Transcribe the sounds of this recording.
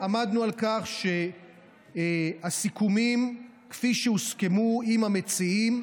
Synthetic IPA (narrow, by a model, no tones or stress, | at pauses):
amad̪nualkaχʃe | asikumim | kfiʃeuskemuimamet͡siim